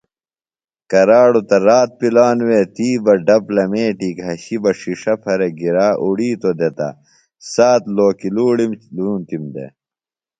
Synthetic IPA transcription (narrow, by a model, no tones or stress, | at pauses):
kɐɾaːɽut̪ɐɾaːt̪̚pilaːnweːt̪iːbɐɖɐplɐmeːʈiːkɦɐɕibɐʂiʂɐpʰɐɾeɡiɾaːʔuɽiːt̪od̪et̪ɐ̰ | saːt̪loːkiluːɽimluːnt̪imd̪ḛ